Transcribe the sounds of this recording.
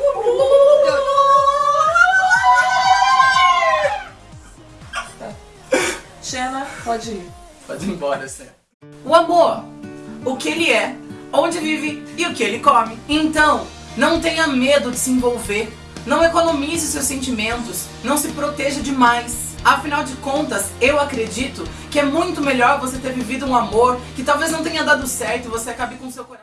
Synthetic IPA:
t̪a | ʃɛlɐpɔd͡ʒɪi | pɔd͡ʒẽbɔɾɐsɛ̰tʊ | ʊamoɾ | ʊkɪelɪɛõd͡ʒɪvivɪɪʊkɪelɪkomɪẽnt̪ɐ̃w̃ | nɐ̃w̃t̪ẽjɐmed̪ʊd͡ʒɪsẽvowveɾ | nɐ̃w̃ekonomizɪʊsewsẽnt͡ʃimẽnt̪ʊs | nɐ̃w̃sɪpɾot̪ɛʒɐd͡ʒɪmajs | afinawd͡ʒɪkõnt̪ɐsewakɾed͡ʒit̪ʊkɪɛmũj̃t̪ʊmeʎɔɾvoset̪eɾvivid̪ʊũamoɾkɪt̪awveznɐ̃w̃t̪ẽɲɐd̪ad̪ʊsɛɾt̪ʊɪvoseakabɪkõʊsewkoɾa

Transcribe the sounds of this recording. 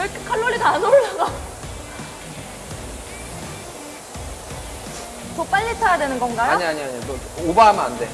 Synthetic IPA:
ekekʰaɭːoɭːitanoɭːaɡa | t͡ɕop͈aʎːitʰajadwenɯnɡʌnɡajaɲiaɲiaɲidoobaːma̰nde̞

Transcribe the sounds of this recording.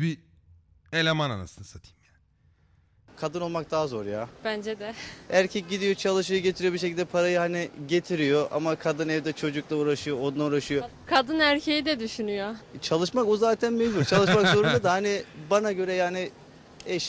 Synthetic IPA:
bi | elʲemana̰na̰sɯnɯsat̪ʰɯ̥jmjaːn | kʰad̪ɯno̞lˠmak̚d̪aːzo̞ɾjaːb̥ænd͡ʒɛd̪ɛæɾcʰɛc̚ɟid̪ijo̞t͡ʃʰalˠɯʃ̬ɯjoɟet̪ʰiɾijbiɾʃ̬e̞cʰilʲd̪ɛpʰaɾajɯhanɪɟe̞t̪ʰiɾijo̞ʔa̰makʰad̪ɯnɛvd̪ɛt͡ʃʰo̞d͡ʒuklˠauɾaʃɯjo̞od̪nauɾaʃɯjo | kʰad̪ɯnæɾcʰejid̪ɛd̪yʃynyjot͡ʃʰalˠɯʃmakuzaːt̪ʰænmeʒbuɾt͡ʃʰalˠɯʃʃmakso̞ɾund̪ad̪ahanɪbanaɟø̞ɾɛjaːnɪ | ɛʃ

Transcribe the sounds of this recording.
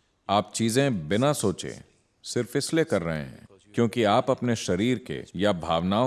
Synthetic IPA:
aːpt͡ʃiːzẽbɪnasoːt͡ʃḛ̃ː | sɪɾfɪslekɐɾːɐɦḛ̃ɦɛ̰̃ː | kjõːkiaːpɐpneʃɐɾiːɾkḛjabʱaːʋnaːo

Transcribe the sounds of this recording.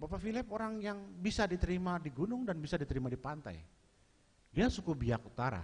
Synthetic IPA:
bapafilɛp̚oɾaŋjaŋbisadit̪əɾimadiɡunʊŋdanbisadit̪əɾimadipant̪a̰j | diasukubiakut̪aɾa̰

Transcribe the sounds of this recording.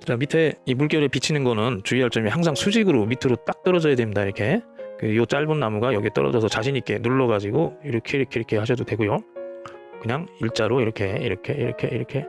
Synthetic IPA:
t͡ɕamitʰeimuɭk͈jʌɾɯɭpit͡ɕʰinɯnɡʌnɯnt͡ɕuiaɭt͡ɕ͈ʌmihaŋsʰaŋsʰud͡ʑiɡɯɾomitʰɯɾot͈ak̚t͈ʌɾʌd͡ʑʌjadwemɲidaiɾʌkʰe̞kɯjot͡ɕ͈aɭbunːamuɡajʌɡiet͈ʌɾʌ̰d͡ʑʌsʰʌt͡ɕaɕʰiɲik͈e̞nuɭːʌɡad͡ʑiɡoiɾʌkʰe̞iɾʌkʰe̞iɾʌkʰe̞haɕʰʌdodwe̞ɡujo | kɯɲaŋiɭt͡ɕ͈aɾoiɾʌkʰe̞iɾʌkʰe̞ḭɾʌkʰe̞iɾʌkʰe̞

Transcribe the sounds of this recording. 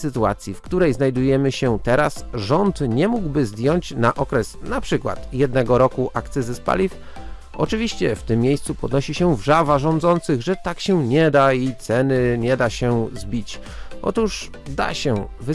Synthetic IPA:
sɘt̪ua̰t̪sʲjifkt̪uɾɛjznajd̪ujɛmɘɕɛt̪ɛɾasʐɔnt̪ɲɛmuɡwbɘzd̪ʲjɔɲt͡ɕnaʔɔkɾɛsnapʂɘkwa̰t̪jɛd̪nɛɡɔɾɔkuʔakt̪sɘzɘspa̰lʲif | ʔɔ̰t͡ʂɘvʲiɕt͡ɕɛft̪ɘmːjejst̪supɔd̪nɔɕiɕɛvʐavaʐɔ̃nd̪zɔnt̪sɘɣʐɛt̪akɕɛɲɛd̪ait̪sɛnɘɲɛd̪aɕɛzbʲit͡ɕ | ʔɔ̰t̪uʂ | d̪a̰ɕɛvɘ

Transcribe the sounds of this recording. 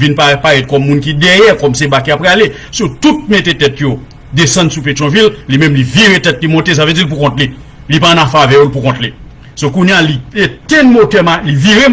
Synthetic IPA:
vinpapaɣɛt̚kɔmːũnkidɛjɛkɔmsebakiapɣale | sotut̚metetɛtjo | desɐ̃ndsupet̪ɔ̃villimɛ̃mliviɣetɛt̚limɔ̃tes̬avød͡zilp̬ukɔ̃tle | lipãnafavɛjolpukɔ̃tle | sokũnjalietenmotɛmaliviʁe

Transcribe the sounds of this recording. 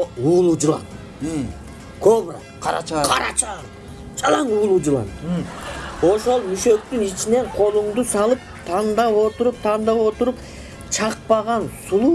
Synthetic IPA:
uːlˠud͡ʒulˠɑ̰n | kʰobra̰ | qʰɑɾa̰t͡ʃʰɑ̰ɾɑ̰t͡ʃa | d͡ʒɑlˠɑɴuːlˠud͡ʒulˠɑ̰n | o̞ʃo̞lˠmyʃø̞k̚t̪ynit͡ʃine̞ɴqʰo̞lˠuɴd̪usɑlˠɯp̚t̪ʰɑnd̪ɑwo̞t̪ʊɾup̚t̪ʰɑnd̪ɑwo̞t̪ʊɾup | t͡ʃʰɑq̚pɑʁɑnsulˠu

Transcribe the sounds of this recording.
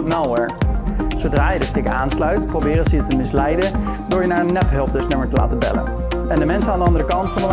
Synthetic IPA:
mɛlˠɛɹsowdraːjədəstɪkaːnslœɥtprowbɪːɾənsəətəmɪslɛjdə | adʊːɹjənaːɹənːɛpɦɵlˠp̚dɵsnɪməɹtəla̰ːtəbɛ̰lə̰n | ɛndəmɛnsənaːndəɑndəɾəkɑntfɑndəl

